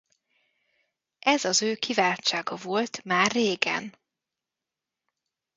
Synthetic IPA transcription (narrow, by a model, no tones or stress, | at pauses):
ʔɛzɒzøːkʰivaːlt͡ʃːaːɡɒvo̞lt̪maːrːeːɡɛ̰n